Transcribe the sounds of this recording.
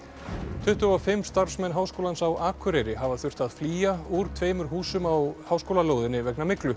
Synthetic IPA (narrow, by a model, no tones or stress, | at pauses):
t̪ʰʏht̪ʏɔfɪmst̪aɾ̥fsmɛnɦaːwskowlansawʔaːkʰʏɾɛɾɪɦavaθjʏr̥t̪aðfliːjauɾ̥t̪ʰveːjmʏɾ̥ɦuːsʏmawhawskowlaloːwðɪnːɪvɛknamɪklʏ